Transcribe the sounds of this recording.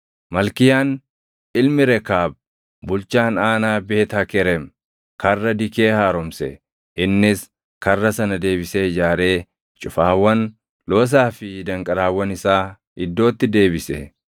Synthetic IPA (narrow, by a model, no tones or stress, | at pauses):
mɐlkɪjaːn | ɪlmɪɾɛkaːb̚ | bʊlt͡ʃaːnaːnaːbe̞ːt̪aːkɛɾɛm | kɐrːɐd̪ɪke̞ːhaːɾɔmsɛ̰ | ʔɪnːɪs | kɐrːɐsɐnɐd̪e̞ːbɪseːd͡ʒaːɾe̞ː | t͡ʃʼʊfaːwːɐn | lo̞ːs̬aːfɪd̪ɐŋkʼɐɾaːwːɐnɪsaː | ɪd̪ːo̞ːt̪ːɪd̪e̞ːbɪsɛ̰